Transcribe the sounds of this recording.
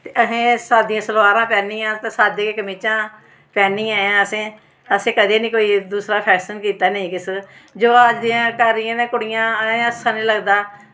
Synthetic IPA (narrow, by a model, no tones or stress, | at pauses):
t̪eːəsẽːsaːd̪ɪjãːsəlwaːɾãːpɛːniːãːt̪eːsaːd̪ãːkeːkəmiːt͡ʃãː | pɛːniːãːãːəsẽː | əsẽːkəd̪eːnĩːkoːiːd̪uːsɾaːpʰɛːsənkiːt̪aːnəĩːkɪsd͡ʒoːaːd͡ʒd̪ijãːkəɾːɪjãːnẽːkʊɽɪjãːẽːəsãːnĩːləɡd̪aː